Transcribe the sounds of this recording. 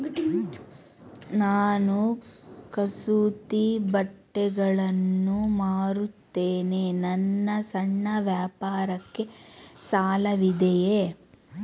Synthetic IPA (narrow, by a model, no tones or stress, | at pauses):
naːnukɐsuːt̪ibɐʈːɛɡɐɭɐnːumaːɾut̪ːeːnenɐnːɐsɐɳːɐʋjaːpaːɾɐkːe̞saːlɐʋid̪ɛje